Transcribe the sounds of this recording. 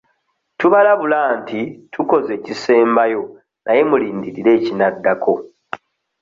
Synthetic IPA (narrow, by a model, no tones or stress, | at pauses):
tuβalaβulaːntitʰuko̞ze̞ːcise̞ːmbajo̞ | nʔaje̞muliːndiɾiɾe̞ːcinadːakʰo̞